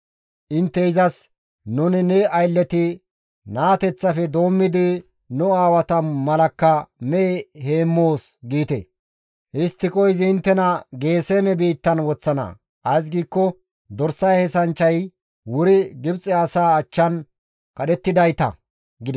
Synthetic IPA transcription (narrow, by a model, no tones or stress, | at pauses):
ʔɪnt̪ːɛɪzɐs | nʊnɪnɛɐjlːɛt̪ɪ | naːt̪ɛt͡sːɐfɛd̪o̞ːmːɪd̪ɪ | nʊaːwɐt̪ɐmɐlɐkːɐmɛehe̞ːmːo̞ːsɡiːt̪ḛ | ʔɪst̪ːɪkʼɔjzɪɪnt̪ːɛnɐɡe̞ːseːmɛbiːt̪ːɐnwɔt͡sːɐnɐ̰ | ʔɐjs̬ɡiːkːɔ | d̪ɔɾsɐjhɛsɐnt͡ʃːɐj | wʊɾɪɡɪbt͡sʼːɛɐsaːt͡ʃːɐn | kɐɗɛt̪ːɪd̪ɐjt̪ɐ̰ | ɡɪd̪ɛ